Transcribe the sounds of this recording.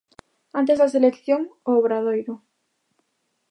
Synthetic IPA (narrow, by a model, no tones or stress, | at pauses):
ant̪̬ezðaselekθjoŋoːβɾaðojɾʊ